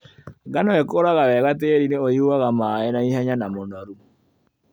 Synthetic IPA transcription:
ɣanɔɛkoɾaɣawɛɣateɾineoiuaɣamaɛnaihaɲanamonɔɾu

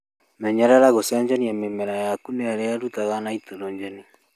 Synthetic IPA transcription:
mɛɲaɾaɾaɣosaɲd͡ʒɛniamemɛɾajakunɛaɾɛaɾutaɣanaitoɾɔɲd͡ʒɛni

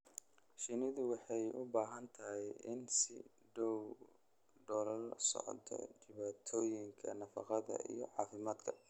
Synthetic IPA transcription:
ʃɪnɪðʊwɑħɑjʔʊbaːɦɐnt̪ʰɐɦɛjʔɪnsɪ̰ | ɖɔw | ɖɔlɐlsɔ̰ʕt̪ʰɔ̰t͡ʃɪβaːt̪ʰɔːjɪŋkʰɐ̰nɐfɑqɑðɐ̰ʔḭjɞʕɑːfɪmaːd̪kʰɐ

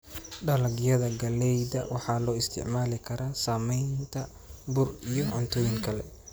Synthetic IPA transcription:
ɖɐlɐɡjɐðɐɡɐlɛjdɐ̰wɑħɑːlɔːɪst̪ʰɪ̰ʕmaːlɪkʰɐɾaːsaːmɛjnt̪ʰɐ | bʊrijɔʔʊnt̪ʰʊwɪŋkʰɐlɛ̰

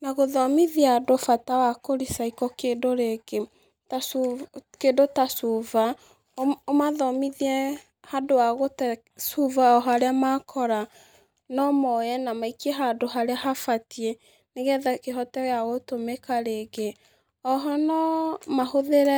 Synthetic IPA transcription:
naɣoðɔmiðiadofatawakoɾisaikɔkendoɾeɡe | tasukendotasuva | omaðɔmiðiɛ | hadowaɣotɛ | suvaɔɦaɾeamakʰɔɾa | nɔmɔjɛnamaikieɦadoɦaɾeaɦafatie | neɣɛðakeɦɔtɛɣaɣotomekaɾeɡe | ɔɦɔnɔmahoðeɾɛ

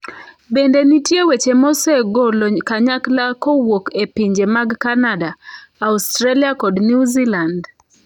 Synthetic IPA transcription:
bendenitjewet͡ʃemɔseɡolokaɲaklakowokepiɲd͡ʒemaɡkanadaaustɾeliakɔdniuziland

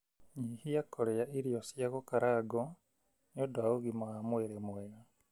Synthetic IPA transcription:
ɲihijakʰoɾejaʔiɾijosjaɣokaɾaːɡo | njodwaoɣimaamweɾemweɾa

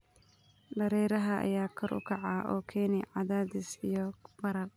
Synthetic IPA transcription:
ɖɐɾɛjɾɐɦɐʔɐ̰jaːkʰɔɾʔʊ̰kʰɑʕɑːʔɔ̰ːkʰɛːnɪʕɑðaːðɪsijɔb̥ɐɾɐl

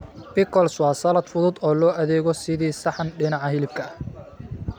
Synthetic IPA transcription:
b̥ɪkʰɔlswɑːsɐlɐd̪fʊðʊd̪ɔːlɔːʔɐðɛːɣɔsɪðiːsɑħɑnɖɪnɑʕɑɦɪlɪb̚kʰɐɐh

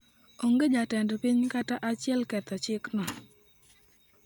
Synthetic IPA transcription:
oŋɡed͡ʒatɛndɔpiɲkataʔat͡ʃɪɛlkɛt̪ɔt͡ʃɪknɔ

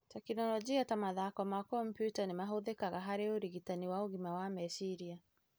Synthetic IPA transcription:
tɛkinɔlɔd͡ʒiatamaðakɔmakɔmpjutanimaɦoðekaɣaɦaɾeoɾiɣitaniwaoɣimawamɛsiɾia

